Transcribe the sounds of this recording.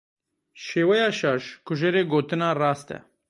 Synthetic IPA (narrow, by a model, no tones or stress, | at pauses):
ʃeːwɐjaːʃaːʃkʊʒeɾeɡoːt̪ɨnaːɾaːst̪ɛ̰